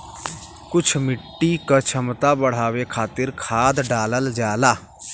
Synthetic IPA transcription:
kʊt͡ʃʰmɪʈːiːkət͡ʃʰəmt̪aːbəɽ̤aːʋeːkʰaːt̪ɪɾkʰaːd̪ɖaːləld͡ʒjaːlaː

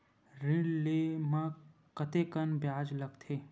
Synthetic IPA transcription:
ɾiɽlemã | kɐt̪ekɐnbjaːd͡ʒlɐɡt̪ʰeː

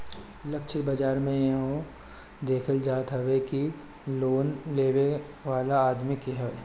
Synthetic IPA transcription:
lɐk̚t͡ʃʰibɐd͡ʒaːɾmẽjɐɦõ | d̪eːkʰəld͡ʒaːt̪ɦɛʋeki | loːnleːʋe | ʋaːlaaːd̪mɪkiɦɛe

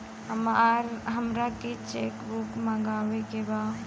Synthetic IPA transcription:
həmɾɦəmɾaket͡ʃekbukmãɡaːwekeba

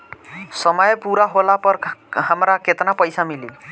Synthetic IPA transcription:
sɔmɔjpuɾaɦolapɔɾɦamɾakʰet̪napɔjsamilib

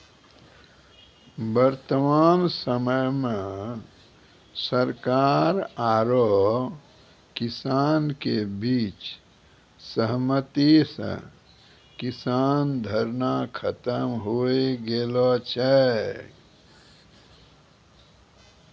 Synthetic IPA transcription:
bəɾt̪əmaːnsəməjmẽ | səɾkaːɾaːɾo | kɪsaːnkebiːt͡ʃ | səɦmət̪isə̰̃ | kɪsaːnd̪ʱəɾnakʰət̪əmɦoeɡelɔt͡ʃʰɛ

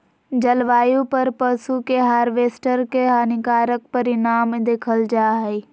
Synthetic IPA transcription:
d͡ʒɐlʋaːjũpɐɾpəsukeɦaːɾʋeːsʈəɾkeɦaːnɪkaːɾək̚pɐɾɪnaːmd̪eːkʰəld͡ʒaːɦe

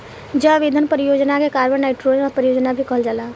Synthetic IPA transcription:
d͡ʒəʋɪd̪ʱənpəɾijoːd͡ʒnakekaːɾmə̃nnaːɪʈɾoːnɔpəɾɪjoːd͡ʒnabʱikəɦəld͡ʒaːlaː

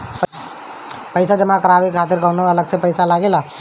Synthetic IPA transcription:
p | pɐɪsad͡ʒɐmakɐɾaːʋekʰaːt̪̬ɪɾkɐnoɐləɡsepɐɪsalaːɡelaː

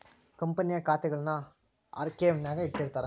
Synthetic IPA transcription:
kɐmpɐnɪjakaːt̪ːɐɪɣɐɭnaː | ʔɐ̰ɾkeːmnaɣɐɪɽkːɐɽɯt̪ːaːɾ

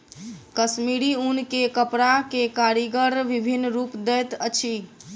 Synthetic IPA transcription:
kəsmiɾiunkekəpɾakekaɾiɡəɾʋibʱinːɾupd̪ɛt̪ət͡ʃʰi

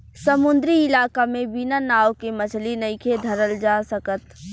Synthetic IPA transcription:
səmʊnd̪ɾiɪlaːkamẽbinanaːʋkemɐt͡ʃʰlinɐɪkʰed̪ʱɐɾəld͡ʒaːsəkət̪

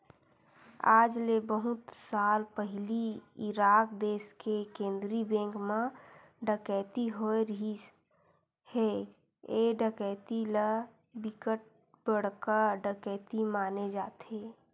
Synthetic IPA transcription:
aːd͡ʒlebəɦʊt̪saːlpəɦliiɾaːkd̪eːskekẽːnd̪ɾibẽːŋkmã | ɖəkɛːt̪iɦoeɾəɦi | he | eɖəkɛt̪ilə | bɪkəʈ̚ | bəɽ̤kəɾɖəkɛːt̪imaːned͡ʒaːt̪e

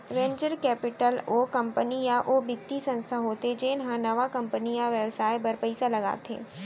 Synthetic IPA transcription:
ʋẽːnd͡ʒəɾkɛːpɪʈəloːkɐ̃mpənijaʔoːbɪt̪ːisɐ̃nst̪ʰaɦoːt̪ed͡ʒeːnɦãnɐʋakɐ̃mpənijaʋjɛʋsaːibɐɾpəɪsalɐɡa̰ːt̪ḛː

